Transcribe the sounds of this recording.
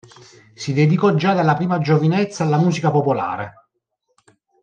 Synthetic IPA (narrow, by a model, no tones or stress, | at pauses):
sid̪ɛd̪ikɔd͡ʒːad̪elːapɾiːmad͡ʒovinɛt̪sːaːlːamuːsikapopola̰ːɾe